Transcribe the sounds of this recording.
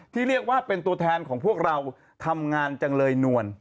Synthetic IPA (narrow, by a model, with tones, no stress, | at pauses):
t̪ʰiː˥˩ɾi˥˩ək̚waː˥˩pe˧nt̪u˧ət̪ʰɛː˧nkʰɔː˩˦ŋpʰu˥˩ək̚ɾa˧w | t̪ʰa˧mŋaː˧nt͡ɕa˧ŋlɤː˧jnu˧˩ən